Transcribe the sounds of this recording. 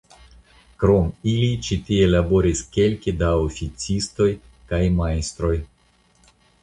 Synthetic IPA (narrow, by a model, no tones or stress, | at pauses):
kɾo̞milit͡ʃit̪ielabo̞ɾiskʲe̞lkʲid̪aofit͡sist̪o̞j | kajmaest̪ɾo̞j